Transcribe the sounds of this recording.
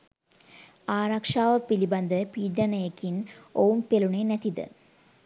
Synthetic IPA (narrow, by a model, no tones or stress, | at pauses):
aːɾakʂaːʋɐpilibɐnd̪əpiːɖɐnɐjekːinoːumpeluɳenɐt̪id̪ɨ̰